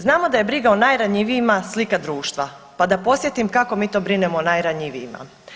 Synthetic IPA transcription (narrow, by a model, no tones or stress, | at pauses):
znaːmo̞d̪aje̞bɾiɡaonajɾaɲiʋijimaslikad̪ɾuːʃt̪ʋa | pad̪apo̞sje̞t̪imkako̞miːt̪o̞ːbɾinemonajɾaɲiʋijima̰